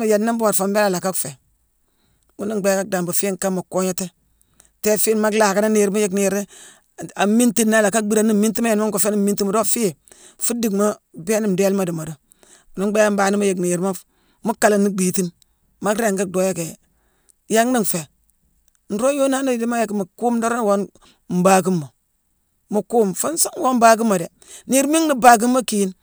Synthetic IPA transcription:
ma˨ja˨nːi˦mbu˦wa˨ɾfa˨m˦e˦la˨la˨ka˦kfe˨ | wu˦ni˦ŋɡ͡be˨˦ka˦k̚da˨mba˨fi˦ŋ˨ka˦mːa˨ko˦ɲa˦te˦ | te˦fi˦nma˦kla˨ka˦na˦ni˨ɾma˦je˦kni˨ɾ | a˨mi˦nti˦nː˦a˦la˨ka˦k̚bi˦ɾa˨ni˦mi˦ti˦ma˦ja˨nma˦ŋko˨fe˦ni˦mmi˦nti˦ma˨do˦fi˦e˨ | fu˦di˨kma˦be˦ni˦m˨de˦lma˦˨du˨ma˨do˨ | ni˨˦ɡ͡be˦ja˦mbaː˨ni˦ma˦je˨kni˨jɾma˦ | mu˦ka˨la˨nːi˦ɡ͡biː˨ti˦n | ma˦kɾe˦˨ɡa˦do˦je˦ke˨ | ja˦ŋni˦ŋfe˨ | n̩˨ɾo˦jo˦na˦na˦˨di˦ma˦je˨kmu˨ku˦mdo˦ɾa˦nwo˦n | m̩˨ba˨ɡi˦mːo˨ | mu˨ku˦mfa˦nsa˦wo˦m˦ba˦ɡi˦mːa˨de˨ | ni˦˨ɾmi˦ŋni˦ba˨ɡ̬i˦mːa˦ki˨˦n

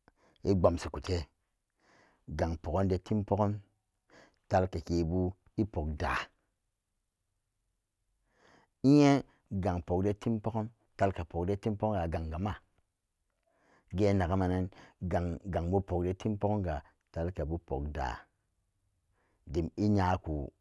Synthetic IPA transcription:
i˦ɡ͡ba˨msi˨ku˨te˦ | ɡa˨ŋpo˨ko˦nde˦ti˦mpo˦ko˦n | ta˦lke˨ke˨bu˦ | i˦po˨k̚da̰˨ | i˦je˦ | ɡa˨ŋpo˨kde˦ti˦mpo˦ko˦n | ta˦lka˨po˨kde˦ti˦mpo˦o˦ŋ˦ɡa˨ɡa˨ŋɡa˨ma˦˨ | ɡe˦na˨ɡa˦ma˨ne˦nɡa˨ŋɡa˨ŋbu˦po˨kde˦ti˦mpo˦ko˦ŋɡa˨ | ta˦lke˨bu˦po̰˨kda̰˨ | di˨mi˦ɲa˨˦ku˨

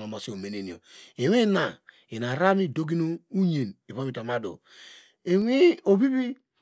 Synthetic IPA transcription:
no˨mo˨si˦o˨me˨ne˨ni˨o̰˨e˨wi˦na˨ | i˨na˨ɾa˦mi˦do˦ɡi˦no˦u˦ɲe˨ni˨βa˦mi˦˨ta˨ma˦do̰˨ | e˨wi˦o˨bi˦bi˦

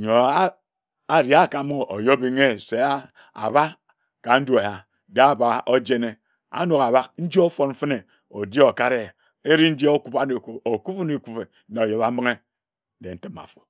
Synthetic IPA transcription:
ɲo˨a˦ | a˨ɾi˨a˦˨ka˨˦mu˦ŋ˨o˨jo˦bi˦˨ŋe˦se˨˦ | a̰˨βa˦ | ka˨n̩˦du˦a˨ja˨ | de˦a˦˨ba˦o˦d͡ʒe˦ne˦ | a̰˦no˨ka˨βa˦kn̩˦d͡ʒo˦fo˨nɱ̩˦fɨ˦ne˨ | o˨die˦o˨ka˦ɾe˦˨ | e˦ɾi˦n̩˦djo˦ku˦pa˦ne˨ku˦o˨ku˦fo˦ne˨ku˦pe˨˦ne˨o˨je˨βa˦m̩˦ɨ˦ŋe˦ | de˨n̩˦tɨ˦ma̰˨fo̥˨

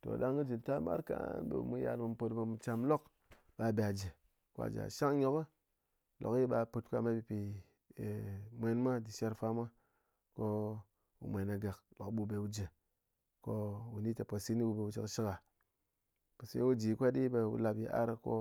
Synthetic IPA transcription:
to̰˨ɗa˦ŋɡi˦d͡ʒi˨ta˦ma̰˦ɾka̰˦ɓḛ˨mu˦ja̰˨ɾmɨ˨m˨po˧tbə˧mu˨t͡ʃa˨mlo˦k | ɓa˨be˨a˨d͡ʒə˨ | kʷa̰˨d͡ʒa̰˨ʃa˦ŋɲo˨kə˦ | lo̰˨ki˦ɓa˨pu˨t̚kʷa̰˦˨ma˦bi˨pi˨ | mʷe˦nma˦di˨ʃe˦ɾfa˦ma˦ | ko˦ | wṵ˨mʷe˨na˨ɡa˨klo˨kɓu˦be˨wu˦d͡ʒə˨ | ko˦wu˨ni˦te˨po˨si˦ni˦wu˦be˨u˨t͡ʃi˨kʃi˦ka˨ | po˨sḭ˦wu˦d͡ʒi˨kʷa˦ɗi˦be˨wṵ˨la˨bjḭ˨ʔa̰˦ɾko̰˦

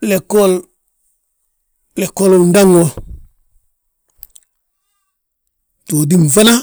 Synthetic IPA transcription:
le˨kol | le˨ko˦lunda˦ŋo | to˨di˦mfa˦na˦

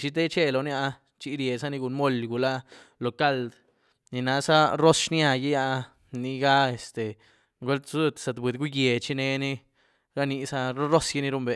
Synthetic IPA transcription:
t͡ʃi˦t̪e˦t͡ʃe˦lo˨˧nja˧ | t͡ʃi˦ɾje˨sa˦ni˧ɡu˧nmo˦˨lɡu˨la˦ | lo˨ka˦˨ld̪ | ni˨na˧˦sa˦ɾo˦sʃnja˧ji˦ja˧ | ni˧ɡa˦e˨st̪e˨ | ɡwe˦lt̪su˧t̪sa˨d̪bʷi˨d̪ɡu˦je˨t͡ʃi˦ne˧ni˦ | ɾa˦ni˧sa˦ɾo˦ɾo˦sji˦ni˦ɾu˦mbe˨

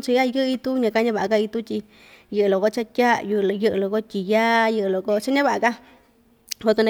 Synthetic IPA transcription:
t͡ʃi˧˦a˦˧jɨ˦˧i˧t̪u˦ɲã˧ka˧˦ɲã˧βa˨ʔa˧ka˧i˧t̪u˦t̪ʲi˧ | jɨ˧˨ɨ˧lo˨ko˧t͡ʃa˦tʲa˦ju˧jɨ˧ʔɨ˧lo˨ko˦t̪ʲi˨ja˦jɨ˧ʔɨ˧lo˨ko˧t͡ʃa˦ɲã˦βa˧ʔa˧ka˦ | o˧t̪u˧nã˧

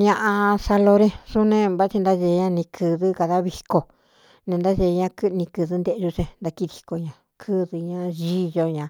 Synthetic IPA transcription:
ñ˧ã˧ʔã˧sa˧lo˧ɾẽ˦˧su˦nẽ˧βa˦t͡ʃi˧nd̪a˦ʒe˧ɲã˧nĩ˧kʰɨ˧ðɨ˦ka˧ða˦βi˧ko˧ | nẽ˧nd̪a˦ʒe˧ɲã˧kɨ˦˧nĩ˧kɨ˧ðɨ˧˦nd̪e˧ʒu˧t͡ʃẽ˧nd̪a˧ki˧ði˧ko˧ɲã˧ | kʰɨ˦ðɨ˧ɲã˧ʒi˦jo˧ɲã˨

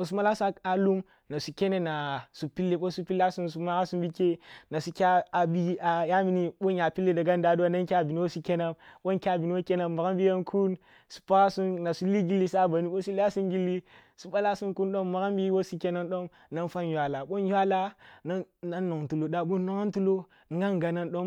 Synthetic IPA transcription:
o˨s̬u˦ma˦la˦su˦a˨lu˦m | na˨su˨kʲe˦ne˦na˨su˨pi˦lːe˦ɓo˦su˦pi˦la˦su˦nsu˦ma˦ɣa˦su˦mbi˦ke˦na˨su˨kʲa˦a˨bi˦a˨ja˦mi˦ni˦ɓo˦ja˨pi˦lːe˦da˨ɡa˦n˦da˨du˦wa˦na˦nkʲa˦˨bi˨ni˦wo˦su˦kʲe˦na˦mɓo˦nkʲa˦˨bi˨ni˦wo˦ke˦na˨ma˨ɣa˦mbi˦ja˦nkʰu˦n | su̥˨pa˦ɣa˦su˦nna˨su˦li˦ɡi˦lːi˦sa˦˨ba˨ni˦ɓo˦su˦la˦su˦nɡi˦lːi˦su˦ɓa˦la˦su˦nku˦nɗo˦mːa˨ɣa˦mbi˦wo˦su˦kʲe˦na˦nɗo˦m | na˦nfa˦njwa˨la˨ɓo˦nja˦la˦na˦na˦nːo˨ŋtu˨lo˨da˨ɓo˦no˦ŋa˦ntu˦lo˦ | ŋ˦ɡa˦ŋ˨ɡa˨na˦nɗo˦m

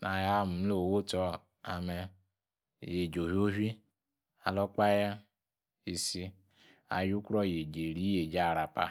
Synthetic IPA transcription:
na˨ja˦m̩˨m˦lo˨wo˦tɔ˨ | a˨mɛ˧ | je˨d͡ʒo˨ɦo˦ɦi˦ | a˨lɔ˦k͡pa˦ja˦ | i˨si˦ | a̰˨ju˦kɾɔ˦˨je˨d͡ʒe˨ɾi˦je˨d͡ʒa˦˨ɾa˨pa̰˨

